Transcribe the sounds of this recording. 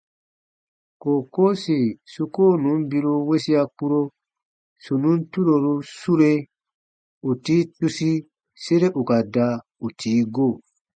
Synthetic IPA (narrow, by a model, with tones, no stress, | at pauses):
ko˨ko˦si˨su˦ko˦nu˨˦mbi˦ɾu˦we˦si˦a˦ku˦ɾo˦ | su˨nu˦ntu˦ɾo˨ɾu˦su˦ɾe˦ | u˨tiː˦tu˦si˦ | se˦ɾe˦ʔu˨ka˨da˦ | u˨tʰiː˨˦ɡo˦˨